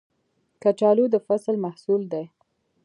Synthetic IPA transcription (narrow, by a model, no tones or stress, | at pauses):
kat͡ʃɑlud̪əfaslmahsuld̪ej